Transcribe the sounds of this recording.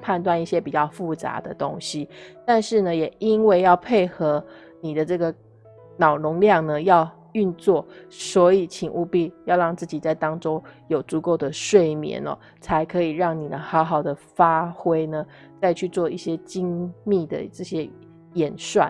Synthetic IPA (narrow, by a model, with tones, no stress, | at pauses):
pʰa˥˧nt̪wa˥˧ni˥˩ɕjɛ˥pi˨˩t͡ɕjɑ˥˧ʊfu˥˩t͡sa̰˧˥d̪ə̰˧t̪o˥ŋɕi˨˦t̪a˥˧nʂɻ̩˥˩nə˩jɛ˨˩i˥nwe˥˧ɪjɑ˥˧ʊpʰe˥˩ɪxɤ˧˥ | ni˨˩d̪ə˦ʈ͡ʂɤ˥˩ɡə˩ | nɑ˨˩ʊnʊ˧˥ŋljɑ˥˩ŋnə˩jɑ˥˧ʊ | y˥˧nt͡swɔ˥˩swɔ˧˥i˨˩t͡ɕʰi˨˩ŋu˥˧pi˥˧˩jɑ˥˧ʊɻɑ˥˧ŋt͡sɹ̩˥˩t͡ɕi˨˩t͡sa˥˩ɪt̪ɑ˥ŋʈ͡ʂo˥ʊjo˨˩ʊt͡su˧˥ko˥˩ʊd̪ə˩ʂwe˥˩ɪmjɛ̰˨˥˦nɐ̰˦ | t͡sʰa˧˥ɪkʰɤ˧˥i˨˩ɻɑ˥˩ŋni˨˩d̪ə˦xɑ˧˥ʊxɑ˨˩ʊd̪ə˦fa˦xwe˥ɪnə˨ | t͡sa˥˧ɪt͡ɕʰy˥˧t͡swɔ˥˧i˥˩ɕjɛ˥t͡ɕi˥ŋmi˥˩d̪ə̰˩ʈ͡ʂɤ˥˩ɕjɛ˥ | jɛ˨˩nʂwa̰˨˩˦n